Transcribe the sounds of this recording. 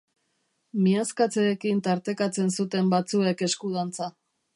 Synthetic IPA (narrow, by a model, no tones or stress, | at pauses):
miaskat͡seːkint̪aɾt̪e̞kat͡se̞nsut̪e̞mbat͡sue̞ke̞skuðant͡sa